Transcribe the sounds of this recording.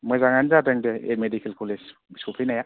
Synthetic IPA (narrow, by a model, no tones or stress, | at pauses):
mɯzaŋanzadɯŋdɛḛmedikʰelkʰolisbiskupʰijnaja